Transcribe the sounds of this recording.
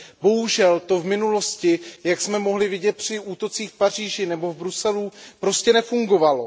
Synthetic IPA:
bo̞ɦuʒɛlt̪o̞vmɪnulo̞scɪjaksmɛmo̞ɦlɪvɪɟɛt̪̚pr̝̥ɪuːt̪o̞t͡siːxfpar̝iːʒɪnɛbo̞vbɾusɛlupɾo̞scɛnɛfuŋɡo̞valo̞

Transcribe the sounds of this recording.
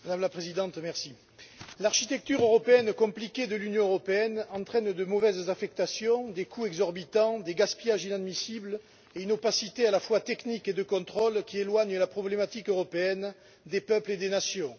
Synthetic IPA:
mad̪amlapχezid̪ɑ̃t̪mɛʁsi | laʁʃit̪ɛk̚t̪yʁøʁɔpeɛnkɔ̃plikʲed̪əlynjɔ̃øʁɔpeɛnɑ̃t̪χɛnd̪əmɔvɛzzafɛk̚t̪asjɔ̃d̪ekʰuɛɡzɔʁbit̪ɑ̃d̪eɡaspijaʒinad̪misibl | eynopasit̪ealafwat̪ɛkniked̪əkɔ̃t̪χɔlkʲielwaɲəlapχɔblemat̪ikøʁɔpeɛn | d̪epœpled̪enasjɔ̃

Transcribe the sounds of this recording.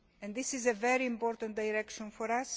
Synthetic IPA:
ɛ̃nd̪isizəvɛɾiĩmpɔɾt̪ə̃nt̪̚d̪ajɾɛkʃɔ̃nfɔɾas

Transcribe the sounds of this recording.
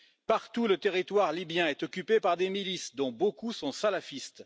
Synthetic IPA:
paʁt̪ulət̪eʁit̪waʁlibjɛ̃ɛt̪ɔkʲypepaʁd̪emilisd̪ɔ̃bokusɔ̃salafist̪

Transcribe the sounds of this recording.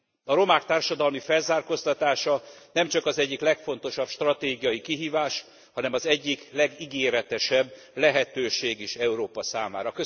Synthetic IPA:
ɒɾo̞maːkt̪aːrʃɒd̪ɒlmifɛlzaːrko̞st̪ɒt̪aːʃɒnɛmt͡ʃɒkɒzɛɟːiklɛkfo̞nt̪o̞ʃɒpʃt̪rɒt̪eːɡijɒjikiɦiːvaːʃ | hɒnɛmɒzɛɟːiklɛɡiɡeːɾɛt̪ɛʃɛbː | lɛɦɛt̪øːʃeːɡeːʃɛuɾoːpɒsaːma̰ːɾɒkø

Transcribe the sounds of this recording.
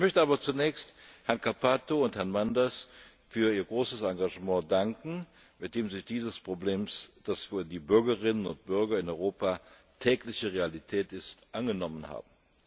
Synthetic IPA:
ʔɪçmœçtəaːbɐt͡sunɛːçsthɛɐnkʰapʰaːtoʊnthɛɐnmandɐs | fyːɐiːɐɡʁoːsəsaŋɡaʒəmɑ̃ːdaŋkŋ̩ | mɪt̚d̥eːmzɪçd̥iːzəspʁ̥obleːmsd̥asfyːɐdiːbʏɐɡəʁɪnənʊ̰nt̚b̥ʏɐɡɐɪnɔʏʁoːpa | tʰɛːklɪçəʁealitʰɛːtɪstʔanɡənɔmənha̰ːbm̩

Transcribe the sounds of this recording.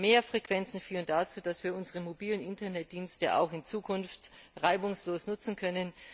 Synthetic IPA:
meːɐfʁ̥ekv̥ɛnt͡sn̩fyːʁ̞əndaːt͡suːd̥asv̥iːɐʊnzəʁəmobiːlənɪntɐnɛt̚d̥iːnstə̰ʔa̰ʊxɪnt͡suːkʰʊnft | ʁaɪbʊŋsloːsnʊt͡sn̩kʰœnən

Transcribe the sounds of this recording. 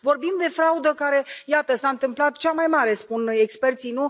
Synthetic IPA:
vo̞rbimd̪e̞fɾaud̪əkaɾe̞jat̪əsaɨnt̪ɨmplat̪̚t͡ʃamajmaɾe̞spunekspe̞rt̪sinu

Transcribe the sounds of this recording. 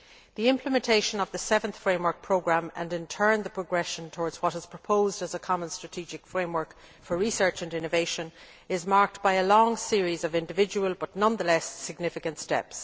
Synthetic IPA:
ðiɪ̃mpʰləmɛ̃ntʰeɪʃə̃nʌvðəsɛvə̃nθfɹẽɪ̃mwə˞k̚pʰɹ̥oʊɡɹãmə̰̃nɪ̃ntʰɜ̃˞nðəpʰɹ̥əɡɹɛʃə̃ntʰɔːɹdz̥wʌɾɪz̥pʰɹ̥əpʰoʊzdəzəkʰɑmə̃nstɹ̥ətʰid͡ʒɪkfɹẽɪ̃mwɜ˞k | fə˞ɹisɜ˞t͡ʃə̃nɪ̃nəveɪʃə̃n | ɪzmaɹk̚t̚b̥aɪəlɔ̃ŋsɪəɹizʌvɪ̃ndɨvɪd͡ʒəwəlˠbʌtⁿnʌ̃nðəlɛsːɪɡ̚nɪfɪkə̃ntstɛ̰ps

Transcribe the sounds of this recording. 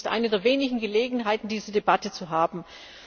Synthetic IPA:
stʔa̰ɪnədeːɐveːnɪçŋ̩ɡəleːɡŋ̩ɦaɪtn̩diːzədebatət͡suɦaːbm̩

